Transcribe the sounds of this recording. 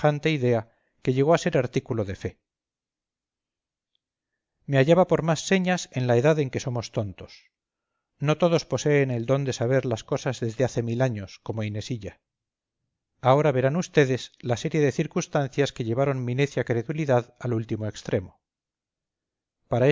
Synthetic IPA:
ant̪e̞iðe̞a | ke̞ʎe̞ɣ̞o̞ase̞ɾaɾt̪ikulo̞ðefe̞ | meaʝaβapo̞ɾmasːe̞ɲasenlae̞ðaðe̞ŋke̞so̞mo̞st̪o̞nt̪o̞s | no̞t̪o̞ðo̞spo̞se̞ːne̞ld̪o̞nd̪e̞saβ̞e̞ɾlasko̞sazðe̞zðeaθe̞milaɲo̞sko̞moine̞siʎa | ao̞ɾaβe̞ɾanust̪e̞ðe̞slase̞ɾjeðe̞θiɾkust̪anθjaske̞ʎe̞β̞aɾo̞nmĩne̞θjakɾe̞ðuiliðaðalult̪imo̞e̞kst̪ɾe̞mo | paɾae

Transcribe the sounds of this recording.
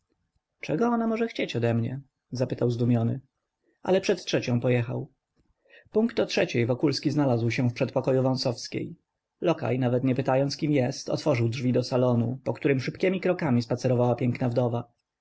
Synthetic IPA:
t͡ʂɛɡɔɔnamɔʐɛxt͡ɕet͡ɕɔd̪ɛmɲɛ | zapɘt̪awzd̪umʲjɔnɘ̰ | ʔa̰lɛpʂɛt̪tʂɛt͡ɕɔ̃w̃pɔjɛxa̰w | puŋkt̪ɔtʂɛt͡ɕejvɔkulskʲiznalazwɕɛ̃fpʂɛt̪̚pɔkɔjuvɔ̃w̃sɔfskʲḛj | lɔka̰jnavɛt̪ɲɛpɘt̪ajɔnt̪skʲimjɛst̪ɔ̰t̪fɔʐɘwdʐvʲid̪ɔsalɔnupɔkt̪uɾɘmʂɘpkʲɛmʲikɾɔkamʲispat̪sɛɾɔvawapʲjɛŋknavd̪ɔva

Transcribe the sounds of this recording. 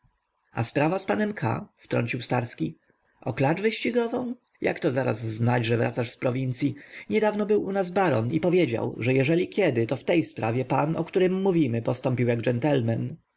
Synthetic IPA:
a̰spɾavaspanɛmkʰa̰ft̪ɾɔ̰ɲt͡ɕiwst̪aɾskʲi | ʔɔklat͡ʂvɘɕt͡ɕiɡɔvɔ̃w̃ | ja̰kt̪ɔzaɾa̰zːnad͡ʑʐɛvɾa̰t̪saʂspɾɔvʲint̪sʲjiɲɛd̪avnɔbɘwʔunazbaɾɔ̰nipɔvʲjed͡ʑa̰wʐɛjɛʐɛlʲikʲɛd̪ɘt̪ɔft̪ɛjspɾavʲjɛpanɔ̰kt̪uɾɘmːuvʲimɘpɔst̪ɔmpʲiwjaɡd͡ʐɛnt̪ɛlmɛn

